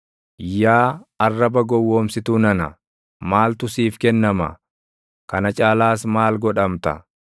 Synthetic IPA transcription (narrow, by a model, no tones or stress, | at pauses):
jaːɐrːɐbɐɡɔwːoːmsɪt̪uːnɐnɐ̰ | maːlt̪ʊsiːfkɛnːɐmɐ̰ | kɐnɐt͡ʃʼaːlaːsmaːlɡɔᶑɐmt̪ɐ̰